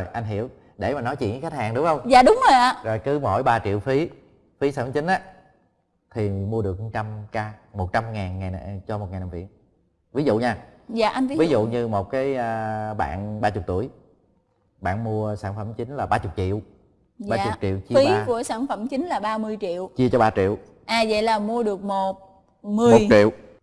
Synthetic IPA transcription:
jʔa˧jŋ̟ɦḭ˧˩˨əw | ɗe˧˩maː˨˩nɔ˨˦jt͡ɕḭ˧˨n˧˦xt̚haː˨˩ŋɗʊ˨˦ŋ͡mhə˧wŋ͡mza̰ː˧˨ɗʊ˨˦ŋ͡mzo˨˩jʔaː˨˧˦zo˨˩jkɨ˨˦mo˧˩jɓaː˧t͡ɕḭ˧˨wfi˨˦ | fi˨˦saː˧˥˩fə˧˨˦t͡ɕï˨˦ŋ̟ʔaː˨˧˦ | t̪ʰi˨˩mu˧əɗɨ˨˩ək̚m˨˩t͡ɕa˧mkaː˧mo˨˩t̚t͡ɕa˧mŋaː˨˩nŋa˨˩jn˨t͡ɕɔ˧mo˨˩t̚ŋaː˨˩na˨˩vḭ˧˨ən | vi˨˦zṵ˧˨ɲaː˧za̰ː˧˨ʔa˧jnvi˨˦vi˨˦zṵ˧˨ɲɨ˧mo˨˩t̚kaː˨˦jəː˧ɓa̰ː˧˨nɓaː˧t͡ɕʊ˨˩k͡p̚t̪u˧˩əj | ɓa̰ː˧˨nmu˧əsaː˧˩nfə˧˩mt͡ɕï˨˦ŋ̟laː˨˩ɓaː˧t͡ɕʊ˨˩k͡p̚t͡ɕḭ˧˨əw | zɓaː˧t͡ɕʊ˨˩k͡p̚t͡ɕḭ˧˨əwt͡ɕi˧i˨˦˧ku˧˩əsaː˧˩nfə˧˩˦mt͡ɕï˨˦ŋ̟laː˨˩ɓaː˧mɨ˧əjt͡ɕḭ˧˨əwt͡ɕi˧ət͡ɕɔ˧ɓaː˧t͡ɕḭ˧˨əw | ʔaː˨˩zə̰˧˨jlaː˨˩mu˧əɗɨ˨˩ək̚mo˨˩t̚ | mɨ˨˩əmo˨˩jt̚t͡ɕḭ˧˨əw

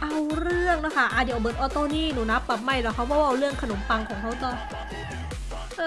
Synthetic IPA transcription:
ʔa˧wɾɯ˥˩əŋna˦˥kʰa˥˩ʔaː˧˩di˨˩˨bɤː˨˩t̪ʔɔː˧t̪ɔː˧˥˩niː˥˩nuː˩˦na˦˥pːa˨˩p̚ma˧˩jɾaː˧˩kʰa˦˥wɔː˧˥waː˧˥˩ʔa˧wɾɯ˥˩əŋkʰa˧no˩˦mpa˧ŋkʰɔː˩˦ŋkʰa˦˥wt̪ɔ˧˩ | ʔɤː˧

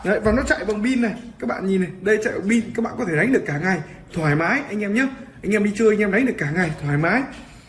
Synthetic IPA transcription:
ə˨˧˨jvaː˨˩wnɔ˨˦t͡ɕa̰˧˨jvə˨˩wŋ͡mɓi˧nːa˨˩jkaː˦˥k̚ɓa̰ː˧˨nɲi˨˩nːa˨˩jɗə˧jt͡ɕa̰˧˨jva˨˩ŋ͡mɓi˧nkaː˦˥k̚ɓa̰ː˧˨kɔ˨˦e˧˩ɗa˨˦jŋ̟ɨ˨˩əkːaː˧˩ŋa˨˩j | t̪ʰwaː˨˩jmaː˨˦jʔa˧jŋ̟ʔɛ˧mɲə˨˦ʔʔa˧jŋʔɛ˧mɗi˧t͡ɕɨ˧a˧ŋ̟ʔɛ˧mɗj̟ɗɨ˨˩əkːaː˧˩ŋa˨˩jt̪ʰwaː˨˩jmaː˨˦j

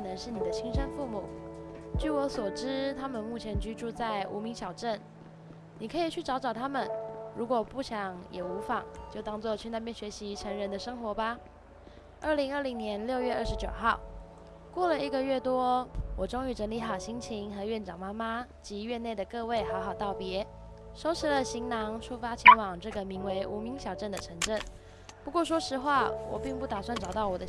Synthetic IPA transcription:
nə˧˥ŋʂɻ̩˥˩ni˨˩d̪ə˦t͡ɕʰi˥ŋʂə˥nfu˥˩mu˨˩˦t͡ɕy˥˩wɔ˧˥swɔ˨˩ʈ͡ʂɻ̩˥t̪ʰa˥mə˨nmu˥˩t͡ɕʰjɛ˧˥nt͡ɕy˥ʈ͡ʂu˥˧t͡sa˥˩ɪʔu˧˥mi˧˥ŋɕʰjɑ˨˩ʊʈ͡ʂə˥˩n | ni˨˩kʰɤ˧˥i˨˩t͡ɕʰy˥˩ʈ͡ʂɑ˧˥ʊʈ͡ʂɑ˨˩ʊt̪ʰa˥mə˨nɻu˧˥kwɔ˨˩pu˥˩ɕjɑ˨˥˦ŋjɛ˨˩u˧˥fa˨˩ŋt͡ɕjo˥˩ʊt̪ɑ˥ŋt͡swɔ˥˧t͡ɕʰy˥˧na˥˧pjɛ˥nɕɥɛ˧˥ɕi˧˥ʈ͡ʂʰə˧˥ŋɻə˧˥nd̪ə˧ʂɤ˥ŋxwɔ˧˥ba˨ | ə˥˩li˧˥ŋə˞˥˩li˧˥ŋnjɛ˧˥nljo˥˧ʊɥɛ˥˧ə˞˥˩ʂɻ̩˧˥t͡ɕjo˨˩ʊxɑ˥˩ʊ | kwɔ˥˩lə˩i˧˥ɡə˨ɥɛ˥˩t̪wɔ˥wɔ˨˩ʈ͡ʂo˥ŋy˧˥ʈ͡ʂə˧˥nli˧˥xɑ˨˩ʊɕi˥ŋt͡ɕʰi˧˥ŋxɤ˧˥ɥɛ˥˩nʈ͡ʂɑ˨˩ŋma˥ma˥t͡ɕi˧˥ɥɛ˥˧ne˥˩ɪd̪ə˩kɤ˥˧we˥˩ɪxɑ˧˥ʊxɑ˨˩ʊt̪ɑ˥˩ʊpjɛ˧˥ | ʂo˥ʊʂʰɻ̩˧˥lə˨ɕi˧˥ŋnɑ˧˥ŋʂʰu˥fa˥t͡ɕʰi˧˥ŋwɑ˨˩ŋʈ͡ʂɤ˥˩ɡə˩mi˧˥ŋwe˧˥ɪʔu˧˥mi˧˥ŋɕjɑ˨˩ʊʈ͡ʂə˥˩nd̪ə˩ʈ͡ʂʰə˧˥ŋʈ͡ʂə˥˩n | pu˧˥kwɔ˥˩ʂ̬wɔ˥ʂɻ̩˧˥xwa˥˩wɔ̰˨˩pi˥˧ŋpu˥˩t̪a˨˩swa˥˩nʈ͡ʂɑ˨˩ʊt̪ɑ˥˩ʊwɔ˨˩d̪ə˦

